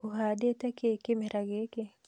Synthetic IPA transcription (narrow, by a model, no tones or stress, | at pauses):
uɦadet̪akeːkemeɾaɡeke